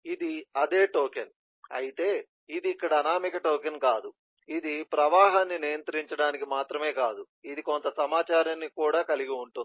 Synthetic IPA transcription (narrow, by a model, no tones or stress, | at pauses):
id̪iɐd̪e̞ːʈoːken | ɐ̰jit̪e̞ː | id̪iːkːɐɽɐːnaːmikɐʈoːk̬enkaːd̪u | id̪ipɾɐʋaːɦaːnːinijɐnt̪ɾiɲt͡ʃɐɽaːnikimaːt̪ɾɐme̞ːkaːd̪u | id̪iko̞nt̪ɐsɐmaːt͡ʃaːɾɐnːikuːɽaːkɐliɡiuɳʈund̪i